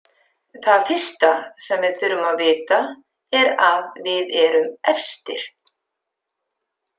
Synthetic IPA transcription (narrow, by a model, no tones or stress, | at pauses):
θaðfɪ̥st̪asɛmvɪðθʏɾʏmaðvɪːt̪a | ɛɾaðvɪðɛɾʏmɛfst̪ɪɾ̥